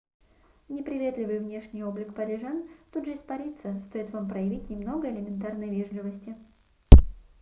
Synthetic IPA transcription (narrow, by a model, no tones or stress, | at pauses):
nʲɪpɾʲɪvʲe̞t̪lʲɪvɨjvnʲe̞ʂnʲɪjo̞blʲɪkpəɾʲɪʐant̪ud̪ʐəɪspɐɾʲit̪səst̪o̞jɪt̪vampɾəjɪvʲitʲnʲɪmno̞ɡəɪlʲɪmʲɪnt̪arnəjvʲeʐlʲɪvəsʲtʲɪ